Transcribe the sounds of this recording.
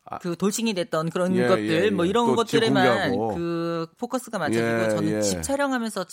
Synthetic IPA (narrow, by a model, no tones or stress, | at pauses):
kɯtoɭt͡ɕʰiŋidwe̞t̚t͈ʌnkɯɾʌnɡʌt̚t͈ɯɭmwʌiɾʌnɡʌt̚t͈ɯɾemankɯpʰokʰʌs͈ɯɡamaʌeɡot͡ɕʌnɯnt͡ɕip̚t͡ɕʰaɾjʌŋɦamjʌnsʰʌt͡ɕ